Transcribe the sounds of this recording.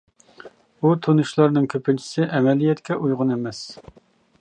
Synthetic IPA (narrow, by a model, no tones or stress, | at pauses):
ut̪ʰonuʃlˠɑɾnɨŋkʲʰøpʰɪnt͡ʃʰi̥sɪʔɛmɛlijɛt̪kʲɛʔujʁʊnemɛs